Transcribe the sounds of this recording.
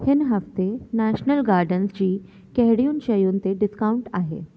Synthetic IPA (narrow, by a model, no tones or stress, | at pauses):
hɪnɦəft̪enæɕnəlɡaɾɖənsd͡ʑiː | kɛɦɽijuːnɕəjuːnt̪eɖɪskauɳʈaɦḛ